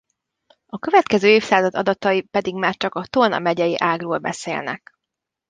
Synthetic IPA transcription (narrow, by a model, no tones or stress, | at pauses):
ɒkø̞vɛt̪kɛzøːeːfsaːzɒd̪ɒd̪ɒt̪ɒipɛd̪iɡmaːrt͡ʃɒkɒt̪onɒ̰mɛɟɛjiʔaːɡroːlbɛ̰sḛːlnɛ̰k